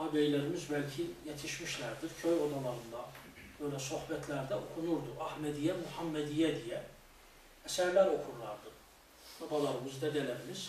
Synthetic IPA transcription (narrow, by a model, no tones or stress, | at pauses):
ɑbejlæɾimizbælʲcʰijet̪ʰiʃmiʃlæɾd̪iɾcʰøjod̪ɑlˠɑɾɯnd̪ɑb̥ø̞jlæso̞hbæt̪ʰlæɾd̪æokʰunuɾd̪uʔæhmæd̪ijæmuhɑmːæd̪ijæd̪ijæ | æsæɾlæɾo̞kʰuɾlˠɑɾd̪ɯ | b̪ɑb̪ɑlˠɑɾɯmɯzd̪ɛd̪elæɾimiz̥